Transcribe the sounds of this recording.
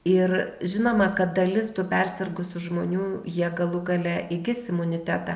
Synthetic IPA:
ɪrʒʲɪnoːmɐkɐt̪̚d̪ɐlʲɪst̪ʊpʲɛrʲsʲɛrɡʊsʲʊʒmoːnʲuːjiɛɡɐlˠʊɡɐlʲɛʔɪɡʲɪsɪmʊnʲɪt̪ʲæːt̪ɑ

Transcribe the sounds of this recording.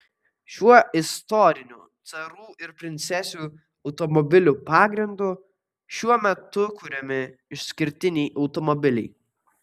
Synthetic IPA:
ʃʲuɔɪst̪ɔɾʲɪnʲṵːt̪sɐɾuːɪɾpʲɾʲɪnʲt̪sʲɛsʲuː | ɐʊt̪ɔmɔbʲɪlʲuːpɑːɡɾʲɪnd̪uː | ʃʲuɔmʲɛt̪ʊkuɾʲɛmʲɪɪʃsʲkʲɪɾʲt̪ʲɪnʲɛɪʔɐʊt̪ɔmɔbʲɪlʲɛ̰ɪ

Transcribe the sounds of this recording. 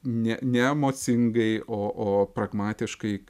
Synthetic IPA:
nʲɛnʲɛɛmoːsʲɪŋɡɐɪʔoːʔoːpɾɐɡmɑːt̪ʲɪʃkɐɪ

